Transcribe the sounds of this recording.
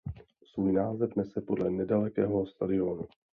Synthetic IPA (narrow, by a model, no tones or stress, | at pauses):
svuːjnaːzɛfnɛsɛpo̞dlɛnɛdalɛkɛːɦost̪adɪo̞nu